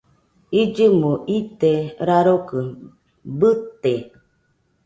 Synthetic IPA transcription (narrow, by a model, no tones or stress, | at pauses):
id͡ʒɨmoʔit̪eɾaɾokə | bɨt̪ːe